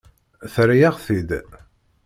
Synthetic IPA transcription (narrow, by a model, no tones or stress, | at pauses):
θɾajaʁθid̪